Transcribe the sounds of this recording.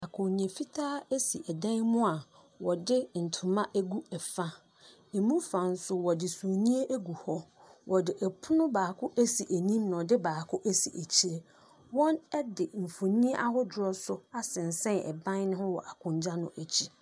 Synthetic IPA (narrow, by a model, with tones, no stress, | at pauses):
a˨kʰʊ̃˨nĩ˨e˨fi˦tʰaː˦æ˦si˨ʔɛ˨dã˦nmʊ̃˦a˨ | wɔ˨dɪ˦n̩˨tʰʊ˨mã˦ʔæ˦ɡu˦ɛ˨fa˦ | e˨mũ˦fã˨n̩˦sʊ˦wɔ˨dɪ˨su˨o˨nĩ˦e˦ʔæ˦ɡu˨hɔ˦ | wʔɔ˨dɪ˨ʔɛ˨pʰʊ˦nʊ̃˦baː˨kʰʊ˦ʔæ˦si˨ʔæ˨nĩ˦mnã˨ɔ˨dɪ˦baː˨kʰʊ˦ʔæ˦sḭ˨ʔæ˨t͡ɕʰi˨˦ɾe˨ | wɔ̃˦nɛ˦dɪ˨m̩˨fo˨nĩ˦e˦ʔa˦hɔ˦dʊ˨ɾɔ˦sʊ˦a˦sɪ̃˨n˨sɛ̃˦nɛ̰˨bã˦n˦nʊ̃˦hʊ̃˦wɔ̰˨ʔa˨kʰʊ̃˨ɲd͡ʑa˦nʊ̰̃˦ʔæ˨t͡ɕʰi˦